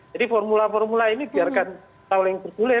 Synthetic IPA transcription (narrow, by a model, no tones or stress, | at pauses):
d͡ʒ̥adifɔrmulafɔrmulainib̥iarkan | sawlɪŋb̥ərd̪̥ulɪ